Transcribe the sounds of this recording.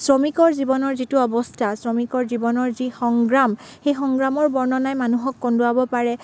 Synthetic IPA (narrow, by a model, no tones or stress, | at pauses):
sɹɔmikɔɹzibɔnɔɹzituɔbɔstʰasɹɔmikɔɹzibɔnɔɹzixɔŋɡɹamxejxɔŋɡɹamɔɹbɔɹnɔnajmanuɦɔkːɔndʊabɔpaɹɛ